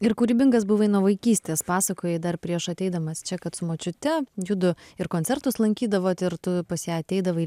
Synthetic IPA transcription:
ɪɾkuːɾʲiːbʲɪŋkɐsbʊʋɐɪnuɔʋɐɪkʲiːsʲt̪ʲeːspɑːsɐkoːjɛd̪ɐɾpʲɾʲiɛʃɐt̪ʲɛɪd̪ɐmɐst͡ʃʲɛkɐt̪sʊmɐt͡ʃʲʊt̪ʲɛjʊd̪ʊɪɾkoːnt̪ʲɛɾt̪ʊslˠɐŋʲkʲiːd̪ɐʋoːt̪ʲɪɾt̪ʊpɐsjæːɐt̪ʲɛɪd̪ɐʋɐ

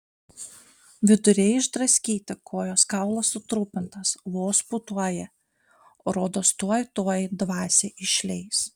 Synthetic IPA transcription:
ʋʲɪd̪ʊɾʲɛɪɪʒd̪ɾɐsʲkʲiːt̪ʲɪkʰoːjoːskɑˑʊlˠɐsːʊt̪ɾuːpʲɪnt̪ɐsʋoːsput̪uɔjɛ | oːɾoːd̪oːst̪uɔjt̪oɔjd̪ʋɑːsʲeʔɪʃʲlʲɛɪs

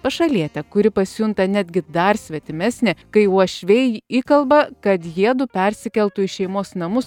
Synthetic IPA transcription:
pɐʃɐlʲiɛt̪ʲɛkʊɾʲɪpɐsʲʊnt̪ɐnʲæd̪ʲɡʲɪd̪ɐɾsʲʋʲɛt̪ʲɪmʲɛsʲnʲɪkɐɪuɔʃʲʋʲɛjiːkɐlˠbɐkɐt̪jiɛd̪ʊpʲɛɾʲsʲɪkʲɛlʲˠt̪ʊɪʃʲɛɪmoːsnɐmʊs

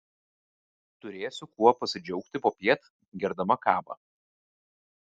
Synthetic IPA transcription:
t̪ʊɾʲeːsʲʊkuɔpɐsʲɪd͡ʒʲɔʊkt̪ʲɪpoːpʲiɛt̪ | ɡʲɛɾd̪ɐmɐkɑːbɐ̰ː

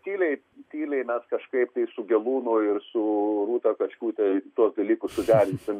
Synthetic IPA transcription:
t̪ʲiːlʲɛɪ | t̪ʲiːlʲɛɪmʲɛskɐʃkɐɪpt̪ɐɪsʊɡʲɛlˠuːnʊɪrsʊruːt̪ɐkɐʃʲkʲuːt̪ʲɛt̪uɔkd̪ɐlʲiːkʊssʊd̪ʲæːɾʲɪnʲsʲɪm

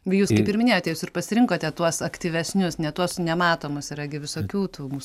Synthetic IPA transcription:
juːskɐɪpɪɾmʲɪnʲeːjoːt̪ʲɛjuːsɪrpɐsʲɪɾʲɪŋkoːt̪ʲɛt̪uɔsɐkt̪ʲiːʋʲɛsʲnʲʊsnʲɛt̪uɔsnʲɛmɑːt̪oːmʊsiɾɐɡʲɪʋʲɪsoːkʲuːt̪uːmuːs

